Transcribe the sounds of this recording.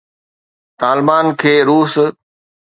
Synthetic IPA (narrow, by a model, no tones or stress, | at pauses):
t̪aːlbaːnkʰeːɾuːs